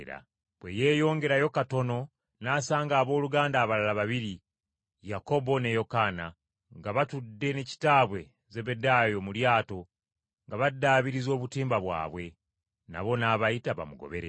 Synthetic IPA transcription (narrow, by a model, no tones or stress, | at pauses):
ɾa̰ | bwe̞je̞ːjo̞ːŋɡe̞ɾajo̞kato̞no̞ | naːsaːŋɡaːβo̞ːluɡaːndaːβalalaβaβiɾi | jako̞bo̞ne̞jo̞kana̰ | ŋɡaβatudːe̞neci̥taːβwe̞ | ze̞βe̞daːjo̞muljaːto̞ | ŋɡaβadːaβiɾizo̞ːβutiːmbaβwa̰ːβwe̞ | na̰βo̞naβaitaβa̰muɡo̰βe̞̰ɾḛ